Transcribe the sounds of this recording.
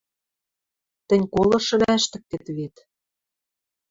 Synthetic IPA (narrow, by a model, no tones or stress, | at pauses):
t̪ɘ̆nʲkolɤ̆ʃɤ̆læʃt̪ɘ̆k̚t̪et̪βet̪